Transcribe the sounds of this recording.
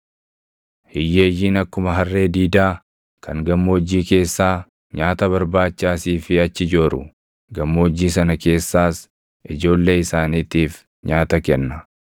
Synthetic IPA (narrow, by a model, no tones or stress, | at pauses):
hɪjːe̞ːjːiːnɐkːʊmɐɦɐrːe̞ːd̪iːd̪aː | kʰɐŋɡɐmːoːd͡ʒːiːke̞ːsːaː | ɲaːt̪ɐβɐɾbaːt͡ʃːaːsiːfɪɐt͡ʃːɪd͡ʒoːɾʊ̰ | ɡɐmːoːd͡ʒːiːs̬ɐnɐke̞ːsːaːs | ʔɪd͡ʒo̞ːlːe̞ːɪsaːniːt̪iːf | ɲaːt̪ɐkɛnːɐ